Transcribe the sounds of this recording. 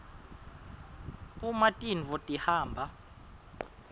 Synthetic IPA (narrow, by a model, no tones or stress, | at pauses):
umatʼinvɔtʼihaːmbʱa